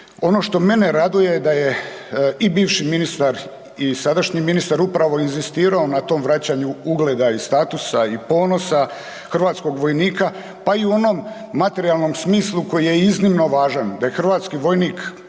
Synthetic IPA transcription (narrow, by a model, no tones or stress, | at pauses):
o̞no̞ʃt̪o̞me̞ne̞ɾad̪uje̞d̪aje̞ | ibiːʋʃiminist̪aɾ | isad̪aʃɲiminist̪aɾupɾaʋo̞inzist̪iːɾao̞nat̪o̞ːmʋɾat͡ɕaɲuuɡle̞ːd̪aist̪aːt̪usaipo̞ːno̞sa | xr̩ʋaːt̪sko̞ɡʋo̞jniːka | paiuo̞no̞mː | at̪e̞ɾialˠno̞msmiːslˠuko̞jije̞iznimno̞ʋaːʒand̪ajexr̩ʋaːt̪skiʋo̞jniːk